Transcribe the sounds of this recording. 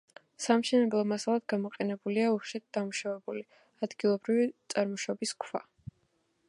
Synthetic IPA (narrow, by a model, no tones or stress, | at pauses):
samʃɛnɛblˠɔmasalˠad̪̚ɡamɔqʼɛnɛbuliauʃɛt̪̚d̪̥amuʃavɛbuli | ad̪ɡilˠɔbɾivit̪sʼaɾmɔʃɔbiskʰva